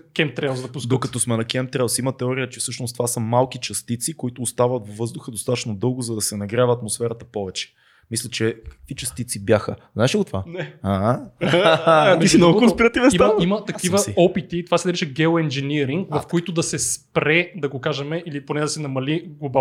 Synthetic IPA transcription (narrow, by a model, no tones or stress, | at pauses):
kʲɛm̚t̪ɾɛlˠsd̪ɐpusd̪okɐt̪ɔsmɛnɐkɛmp̚t̪ɾɛlˠsimɐt̪ɛɔɾiət͡ʃɛfsɤʃnʊst̪ovasəmalˠkit͡ʃɐst̪it̪sikoit̪ʊːst̪avət̪vvɤzd̪ʊxəd̪ost̪at̪ə̥ʃnod̪ɤlˠɡʊzɐd̪ɐsɛnɐɡɾʲjavɐːt̪mosfɛɾɐt̪əpɔvɛt͡ʃɛ̥ | mislʲɛt͡ʃɛkə̥kvit͡ʃɐst̪it̪sibjaxə̰zaɛʃiɡot̪ovanɛa | misinɔkonspiɾɐt̪ivsiɐimɐt̪ɐkivəiɔpit̪it̪ovasɛɐɾit͡ʃɐɡɛoɛnd͡ʒɛniɾiŋɡvɐfkoit̪ʊd̪ɐsɛspɾɛd̪ɐɡokaʒɛmɛʔiliponɛd̪ɐsɛnɐmɐliɡlˠoba